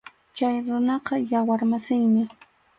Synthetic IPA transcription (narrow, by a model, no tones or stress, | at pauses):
t͡ʃajɾʊnɑqɑjawaɾmasɪjmɪ